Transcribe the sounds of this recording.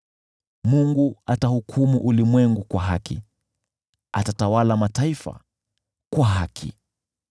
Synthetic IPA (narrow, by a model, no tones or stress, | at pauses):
muŋɡuatahukʰumuʔulimwɛŋɡukwaɦakḭ | a̰tatawalamataifa̰ | kwaɦakʰḭ